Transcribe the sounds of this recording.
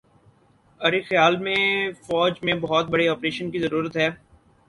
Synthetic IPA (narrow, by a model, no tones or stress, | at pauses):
ɐɾexɐjaːlmẽfɔːd͡ʒmẽbɐɦɔt̪̚bɐɽeɔːpɾeːʃənkizɐɾuːɾət̪ɦɛː